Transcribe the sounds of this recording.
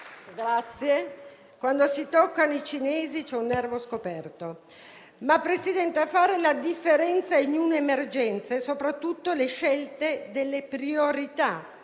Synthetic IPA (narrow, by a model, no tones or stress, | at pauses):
ɡɾat̪sːje | kwand̪osit̪okːanoit͡ʃineːzit͡ʃɛunːɛrvoskopɛrt̪o | mapːɾesid̪ɛnt̪eafaːɾelad̪ifːeɾɛnt̪saiɲunemerd͡ʒɛnt̪sesopɾat̪ːut̪ːoleʃɛlt̪ed̪elːepɾioɾit̪a